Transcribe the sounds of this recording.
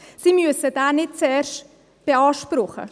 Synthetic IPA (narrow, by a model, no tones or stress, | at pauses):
siːmyəsəd̥aːnɪt̚t͡sɛːrʃt | b̥eɑːʃpɾʊχə̰